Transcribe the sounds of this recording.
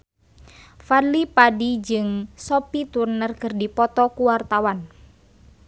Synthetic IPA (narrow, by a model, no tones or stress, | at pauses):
fadlipadid͡ʒɨŋsɔpit̪urnərkɨrdipɔt̪ɔkuwart̪awan